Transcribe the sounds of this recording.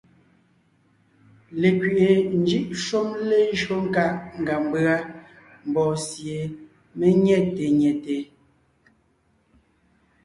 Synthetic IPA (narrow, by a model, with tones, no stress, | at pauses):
le˨kɥi˨ʔe˨n̩˨˦d͡ʒi˦ʔʃo˦mle˦ʒo˦ŋ̩˦ka˦ʔŋ˨ɡa˨m˦bɰa˦ | m̩˨bɔː˨sje˨ | me˦ɲɛ˦˨te˨ɲɛ˨te˨